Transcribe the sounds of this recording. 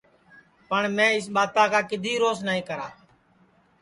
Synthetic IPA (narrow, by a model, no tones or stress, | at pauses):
pəɳmẽːɪs̬ɓaːt̪ãːkʰaːkɪd̪ʱiːɾoːsnaːĩːkəɾaː